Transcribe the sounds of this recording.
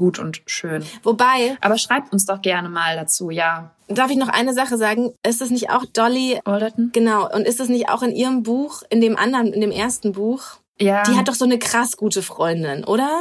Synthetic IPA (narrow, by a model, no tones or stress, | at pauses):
ɡ̥uːtʰʊntʃøːnvobaɪʔa̰ːbɐʃʁ̥aɪp̚tʊnsd̥ɔχɡ̥ɛɐnəmaːldat͡suːjaː | d̥aɐfɪç̬nɔχʔa̰ɪnəzaχəzaːɡŋ̩ʔɪstɛs̬nɪçta̰ʊxd̥ɔliʔɔldɛtn̩ɡ̥ənaʊʔʊ̰ntɪstɛs̬nɪçta̰ʊxɪnʔiːʁəmbuːxʔɪndeːmʔa̰ndɐʁəmɪndeːmʔeːɐstn̩buːx | jaːd̥iːhat̚d̥ɔχz̥oːnəkʁ̥asɡ̥uːtəfʁ̥ɔʏndɪnʔoːɾɐ